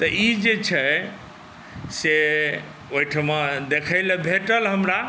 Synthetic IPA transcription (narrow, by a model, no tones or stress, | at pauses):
t̪əid͡ʒet͡ʃʰə | se | oiʈʰəmed̪ekʰəɪləbʱeʈəlɦəmɾa